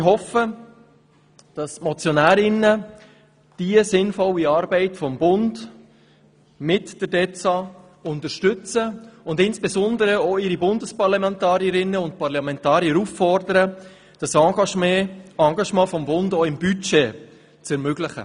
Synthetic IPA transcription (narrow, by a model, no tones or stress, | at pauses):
ɦɔfə | d̥ɑsmɔt͡sjɔnæːɾɪnːə | d̥iəsɪnfɔlːiɑːɾbɛɪtfɔmbʊnd | mɪtd̥əɾdɛt͡sɑ | ʊntəʃtʏt͡səʊndɪnsb̥ezɔndəɾəɔɪɾibʊndəspɑɾlɑmɛntɑːɾiəɾɪnːəʊnt̚pɑrlɑmɛ̃ntɑːɾjəɾufːɔrdəɾə | d̥ɑsɑ̃ɡɑʃmɛɑŋɡɑʃmɑ̃ːfɔmbʊndɔɪmbyt͡ʃe | t͡sɛɾmøɡlɪχə̰